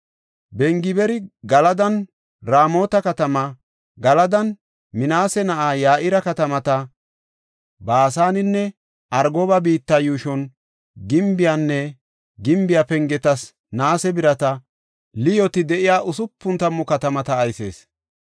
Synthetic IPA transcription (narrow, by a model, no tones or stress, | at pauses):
bɛŋɡɪbɛɾɪɡɐlɐd̪ɐn | ɾaːmo̞ːt̪ɐkɐt̪ɐmɐ | ɡɐlɐd̪ɐn | mɪnaːsɛnɐʔaːjaːʔɪɾɐkɐt̪ɐmɐt̪ɐ | baːsaːnɪnːɛ | ʔɐɾɡoːbɐbiːt̪ːɐjuːʃɔn | ɡɪmbɪjanːɛ | ɡɪmbɪjapɛŋɡɛt̪ɐs | naːsɛbɪɾɐt̪ɐ | lɪjɔt̪ɪd̪ɛʔɪjaːʔʊsʊpːʊnt̪ɐmːʊkɐt̪ɐmɐt̪ɐːjse̞̰ːs